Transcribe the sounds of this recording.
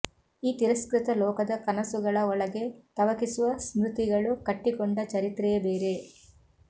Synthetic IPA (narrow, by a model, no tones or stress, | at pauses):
iːt̪iɾɐskɾɪt̪ɐlɔːkɐd̪ɐkɐnɐsuɡɐɭɐɔɭɐɡe̞t̪ɐʋɐkisuʋɐsmɾut̪iɡɐɭukɐʈːikɔɳɖɐt͡ʃɐɾit̪ɾɛɐbeːɾe